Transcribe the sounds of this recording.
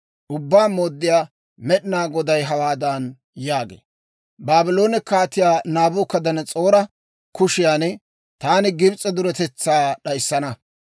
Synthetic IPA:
ʔʊbːaːmoːd̪ːɪjaː | mɛɗɪnaːɡɔd̪ɐjɦɐwaːd̪an | jaːɡḛː | baːbɪlo̞ːnɪkːaːt̪ɪjaːnaːbʊːkːɐd̪ɐnɛt͡sʼo̞ːɾɐ | kʊʃɪjaːnɛ | t̪aːnɪɡɪbt͡sʼːɛd̪ʊɾɛt̪ɛt͡sːaːɗɐjsːɐnɐ

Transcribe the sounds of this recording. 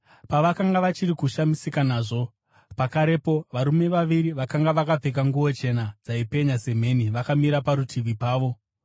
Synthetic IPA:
paʋakaŋɡaʋat͡ʃirikuʃamisikanaːʐo̞ | pakaɾe̞po̞ʋaɾume̞ʋaʋiɾiʋakaŋɡaʋakab͡vek̬aŋɡuwo̞t͡ʃe̞nad͡zaipe̞ɲase̞m̤e̞niʋakamiɾapaɾutʰiʋipaːʋo̞

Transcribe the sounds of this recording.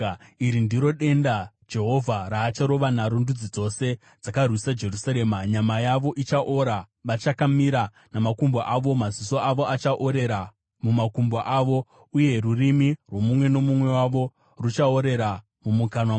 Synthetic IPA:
iɾindiɾo̞ɗe̞nda | d͡ʒe̞ɦo̞vʱaɾaːt͡ʃaɾo̞ʋanaɾundud͡zid͡zo̞se̞ | d͡zakarwisad͡ʒe̞rusaɾe̞ːmaɲamajaʋo̞ʔit͡ʃaʔoɾa | ʋat͡ʃakamiɾa | namakumboʔaʋo̞maziso̞aʋo̞at͡ʃaʔoɾe̞ɾa | mumakumboʔaʋo̞ | uje̞rurimirwo̞mumwe̞no̞mumwe̞waʋo̞ | rut͡ʃao̞ɾe̞ɾa | mumukanwa

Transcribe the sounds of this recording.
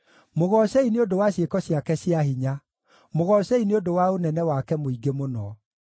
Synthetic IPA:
moɣɔɕɛineodowaɕjekɔɕiakɛɕiaɦiɲa | moɣɔɕɛineodowaonɛnɛwakɛmoiɡemonɔ

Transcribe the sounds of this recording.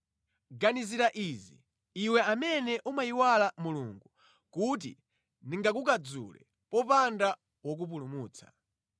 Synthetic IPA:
ɡaniziɾaʔiːzḭ | wɛamɛnɛʔumajiwalamuluŋɡu | kut̬ḭ | niŋɡakukad͡zṵlɛ̰ | pɔpanda | wɔk̬up̬ulumuːt͡sʰḁ

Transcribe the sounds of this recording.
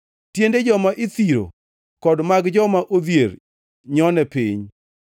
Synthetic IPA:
tjended͡ʒɔmaʔɪt̪iɾo̰ | kɔdmaɡd͡ʒɔmaʔod̪jeɾ | ɲɔnɛpiɲ

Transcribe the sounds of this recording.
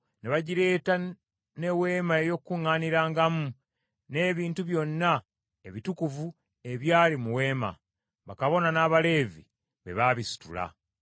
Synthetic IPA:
neβaɟiɾe̞ːta | ne̞we̞ːmaejo̞kːuŋːaːniɾaːŋɡamu | ne̞ːβiːntuβjo̞nːa | e̞βitukuvu | e̞βjaːlimuwe̞ːma̰ | βakaβo̞nanaːβale̞ːvḭ | βe̞̰βaβisu̥tṵla̰

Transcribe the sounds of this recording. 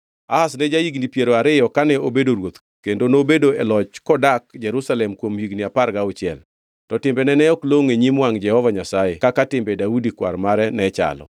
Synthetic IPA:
ahasnɛd͡ʒaiɡnipjeɾoaɾɪjɔkanɛobedoɾwot̪ | kendonobedoɛlɔt͡ʃkɔdakd͡ʒɛɾusalɛmkwomhiɡniaparɡaʊt͡ʃjɛ̰l | tɔtɪmbɛnɛnɛɔkloŋeɲimwaŋd͡ʒɛhɔvaɲasajɛkakatɪmbɛdaudikwa̰rmaɾɛnɛt͡ʃa̰lɔ̰

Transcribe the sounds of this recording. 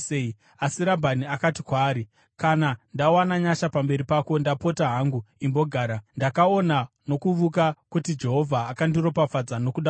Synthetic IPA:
ei | asiɾabʱaniakatikwaːɾi | kanandawanaɲaʃapambe̞ɾipako̞ndapo̞taɦaŋɡuimboɡʱaːɾandakao̞na | no̞kuʋukakutid͡ʒe̞ɦo̞vʱaːkandiɾo̞pafad͡zano̞kuɗa

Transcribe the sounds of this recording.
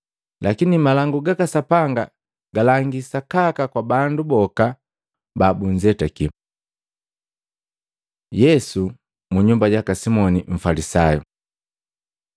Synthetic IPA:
lakinimalaŋɡuɡakasapaŋɡa | ɡalaŋɡisakakakwabandubɔka | babuɲd͡ʒɛtaki | jɛsu | muɲumbaɟakasimɔniɱ̩falisajṵ

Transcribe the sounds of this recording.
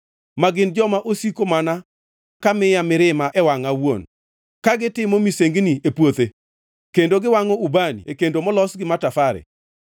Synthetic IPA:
maɡɪnd͡ʒɔmaʔosikomana | kamɪjamɪɾɪmaʔɛwaŋawon | kaɡɪtɪmomiseŋɡniepwot̪e | kendoɡɪwaŋɔubanḭekendomɔlɔsɡɪmatafaɾɛ̰

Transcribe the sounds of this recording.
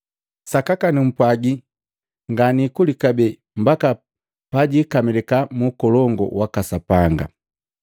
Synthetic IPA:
sakakanim̩pwaɡi | ŋɡanikulikabɛ | mbaka | paɟikamilɛkamuːkɔlɔŋɡɔ̰wakasapaŋɡa̰

